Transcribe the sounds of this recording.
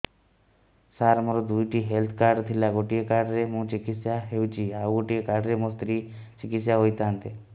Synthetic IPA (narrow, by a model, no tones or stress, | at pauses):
saɾmoɾod̪ujʈiɦelt̪ʰkaːɾɖt̪ʰilaɡoʈijekaːɾɖɾemũt͡ʃikit̪sjaɦeut͡ʃiauɡoʈijekaɾɖɾemost̪ɾit͡ʃikit̪sjaɦojt̪aːnt̪e